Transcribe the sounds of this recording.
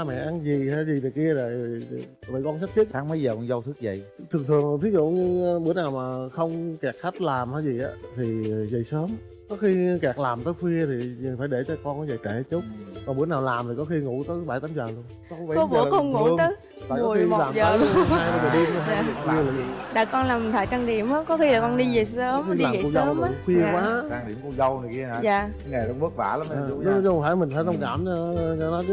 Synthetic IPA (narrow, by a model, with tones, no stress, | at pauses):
a˧mɛ̰˧˨ʔa˧nzi˨˩a˧˩zi˨˩t̪i˨˩jki˧əzaː˨˩ | və̰˧˩jkɔ˧nsa˦˥t̪̚ʰi˦˥t̚aː˨˦ŋmə˨˦jzəː˨˩kɔ˧nzə˧wt̪ʰɨ˦˥k̚zə̰˨˩jt̪ʰɨ˨˩əŋt̪ʰɨ˨˩əŋ˨˩t̪ʰi˨˦zṵ˧˨ɲɨ˧ɓɨ˧˥ənaː˨˩wmaː˨˩xə˧wŋ͡mkɛ˨˩k̚xa˦˥t̚laː˨˩mʔaː˨˧˦jzi˨˩ʔaː˨˦t̪ʰi˨˩zə˨˩jsəː˨˦m | kɔ˨˦xi˧kɛ˨˩k̚laː˨˩mt̪əː˨˦jxwi˧ət̪ʰi˨˩faː˧˩jɗe˧˩t͡ɕɔ˧kɔ˧nkɔ˨˦zə˨˩jt͡ɕe˧˩t͡ɕu˦˥t̚kɔ˨˩nɓɨ˧˦ənaː˨˩wlaː˨˩mt̪i˨˩kɔ˨˦xi˧ŋṵ˧˥t̪əː˨˦jɓaː˧˩jt̪aː˨˦mzəː˨˩lu˧ən | ɔ˧˦˨kɔ˧˦kə̰˧˦kɔ˧ŋu˧ət̪əː˧˨˦ | fa̰ː˧˨˦kɔ˨˩˦xi˧˨laː˨˩mzəː˨˩˦aː˧jə˨˧˩ɗi˧˨˧ɦaa˧˨˩ki˧laː˨˩i˨˩ɗaː˧˩kɔ˧nlaː˨˩mt̪ʰaː˧˩jt͡ɕaː˧ŋɗḭ˨˧˨əmʔaː˨˦kɔ˨˦xi˧laː˨˩kɔ˧nɗi˧zə˨˩ə˨˦mxi˧liaː˨˧˨ḭ˨ku˧zə˧˨wɗkwi˧ə˨kwaː˨˦aː˧ŋɗḭ˨˧˩əmku˧zə˧wnə˨˩jki˧ə˧˩aː˨˦ŋa˨˩ɗɔ˧ɓɨ˦˥ək̚va̰ː˧˩laː˨˦mː˧˨˧nɨ˨˦˨wfaː˧˩jmï̟˨˩faː˧˨˦nə˧wŋ͡mkaː˧˩mt͡ɕɔ˧ɲa˧˦nɔ˨˦jt͡ɕ